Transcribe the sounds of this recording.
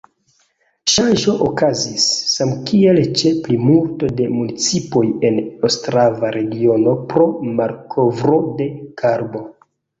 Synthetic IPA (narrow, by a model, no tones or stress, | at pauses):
ʃanʒo̞ʔokazisːamkie̞lt͡ʃe̞plimulto̞de̞munit͡sipo̞je̞nostɾavaɾe̞ɡio̞no̞pɾo̞maɾkʰo̞vɾo̞de̞kʰaɾbo̞